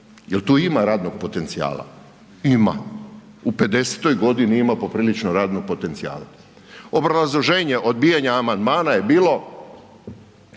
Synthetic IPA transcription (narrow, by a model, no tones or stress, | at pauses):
jelt̪uːimaɾaːd̪no̞ɡ̥̚po̞t̪e̞nt̪sija̰ːla̰ | ima̰ | upe̞d̪e̞se̥t̪ojɡo̞d̪iniimapo̞pɾiːlit͡ʃnoɾaːd̪noɡ̚po̞t̪e̞nt̪sia̰ːla̰ | o̞bɾazlˠo̞ʒe̞ːɲe̞ʔo̞d̪̚bijaɲaːmand̪maːnaje̞biːlˠo̞